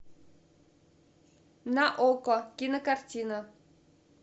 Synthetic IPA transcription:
naʔokokʲinəkartʲinə

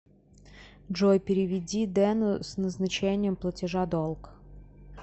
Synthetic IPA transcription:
ʐojpʲɪɾʲɪvʲɪdʲid̪ɛnʊsnəznɐt͡ɕenʲɪjəmplˠətʲɪʐad̪olˠk

